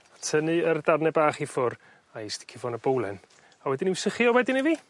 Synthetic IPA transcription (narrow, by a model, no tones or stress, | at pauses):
atʰənɨərdarnɛbaːχifʊr | aisd̥i̥kʰɪvɔnəbowlˠɛ̰n | awɛdɪniwsɪχjɔwɛdɪniviː